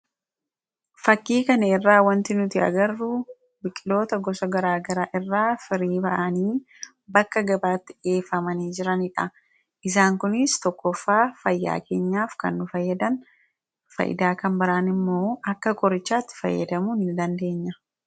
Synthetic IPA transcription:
fɐkːiːkɐnɐɛrːaːwɐnt̪ɪnʊt̪ɪɐ̰ɡɐrːʊ | bɪkʼɪlo̞ːt̪ɐɡɔsɐɡɐɾaːɡɐɾaːʔɪrːaːfɪɾiːbɐʔɐniː | bɐkːɐɡɐbaːt̪ːɪ̥ʔe̞ːfɐmɐniːd͡ʒɪɾɐnɪᶑɐ | ʔɪs̬aːŋkʊnɪst̪ɔkːɔfːaːfɐjːa̰ːke̞ːɲːaːfkɐ̰nːʊfɐjːɐd̪ɐn | fɐ̰ʔɪ̰d̪aːkɐmbɐɾaːnɪmːo̞ːɐkːɐkʼɔɾɪt͡ʃːaːt̪ːɪ̥fɐ̰jːɐ̰d̪ɐmuːnɪnd̪ɐnd̪e̞ːɲːɐ

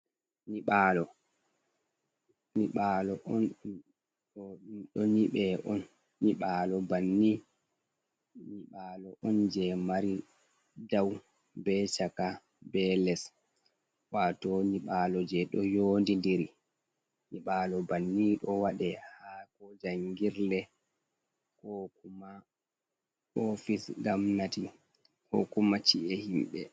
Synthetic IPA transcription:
niɓaːlɔ | niɓalɔʔɔn | ɗɔniɓɛʔɔnː | iɓalɔbanːi | niɓaːlɔʔɔnd͡ʒɛmaɾi | daw | bɛt͡ʃaka | bɛlɛs | waːtɔniɓaːlɔd͡ʒɛɗɔjoːndindiɾi | niɓaːlɔbanːiɗɔwaɗɛhakɔd͡ʒaŋɡiɾlɛ | kɔkuma | ɔfisɡamnati | kɔkumat͡ʃiʔɛhimɓɛ̰

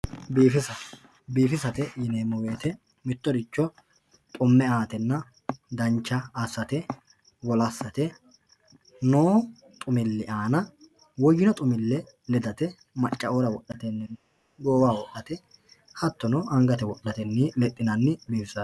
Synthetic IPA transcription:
biːfɪsɐ | biːfɪsɐt̪ɛjɪneːmːɔweːt̪ɛ | mɪt̪ːɔd̪ɪt͡ʃːɔ | t̪ʼʊmːɛaːt̪ɛnːɐ | d̪ɐnt͡ʃːɐːsːɐt̪ɛ | wɔlɐsːɐt̪ɛ | noː | t̪ʼʊmɪlːɪʔaːnɐ | wɔjɪnɔt̪ʼʊmɪlːɛ | lɛd̪ɐt̪ɛ | mɐt͡ʃʼːɐoːɾɐwɔɗːɐt̪ɛnːɪnː | ɡoːwaːwɔʔɐt̪ɛ | hɐt̪ːɔnɔʔɐŋɡɐt̪ɛwɔɗːɐt̪ɛnːɪlɛt̪ʼːɪnɐnːɪbiːfɪsɐ

